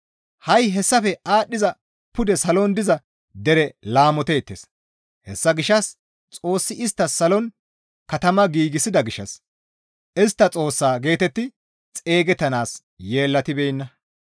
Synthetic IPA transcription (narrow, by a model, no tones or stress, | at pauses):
hɐjɦɛsːɐfɛaːɗːɪzɐ | pʊd̪ɛsɐlɔnd̪ɪzɐ | d̪ɛɾɛlaːmɔt̪e̞ːt̪ːeːs | hɛsːɐɡɪʃːɐs | t͡sʼo̞ːsːɪɪst̪ːɐsɐlɔn | kɐt̪ɐmɐɡiːɡɪsɪd̪ɐɡɪʃːɐ̰s | ʔɪst̪ːɐt͡sʼo̞ːsːaːɡe̞ːt̪ɛt̪ːɪ | t͡sʼe̞ːɡɛt̪ːɐnaːs | je̞ːlːɐt̪ɪbɛjɪnːɐ